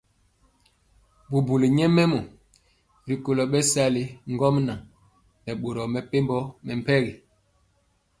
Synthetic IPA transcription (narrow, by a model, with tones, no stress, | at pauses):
bu˨bu˨li˨ɲɛ˦mɛ˦mɔ˨ | ɾi˨ko˨lɔ˨ɓɛ˦sa˦li˨ŋ̩˦ɡɔ˦mna˨ | nɛ˨ɓo˨ɾɔ˨mɛ˨pe˦mbɔ˦mɛ˨m̩˨pɛ˦ɣi˨